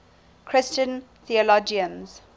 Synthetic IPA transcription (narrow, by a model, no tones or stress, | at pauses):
kʰɹ̥ɪst͡ʃə̃n | θiəlɔd͡ʒiə̃nz̥